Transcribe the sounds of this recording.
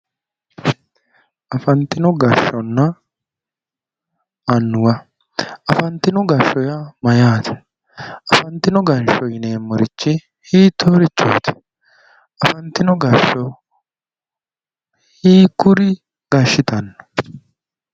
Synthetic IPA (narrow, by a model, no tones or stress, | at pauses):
ʔɐfɐnt̪ɪnɔɡɐʃːɔnːɐ | nːʊwɐ | ʔɐfɐnt̪ːɪnɔɡɐʃːɔjɐmɐjaːt̪ʰɛ̥ | ɐfɐnt̪ːɪnɔɡɐnʃɔjɪneːmːɔɾɪt͡ʃːɪ | hiːt̪oːɾɪt͡ʃːɔ̰ːt̪ɛ̥ | ʔɐfɐnt̪ɪnɔɡɐʃːɔ | hiːkʊɾɪ | ɡ̥ɐʃːɪt̪ɐnːɔ̥